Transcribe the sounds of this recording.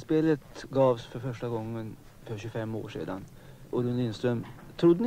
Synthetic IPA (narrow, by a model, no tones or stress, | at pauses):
speːlət̪ɡɑːvsfœɾfœʂʈaɡɔŋːən | fœɾɕɵfɛmːo̰ːʂḛːd̪a̰n | ʔɔɾɵnliːnst̪ɾœmt̪ʰɾʊd̪ːən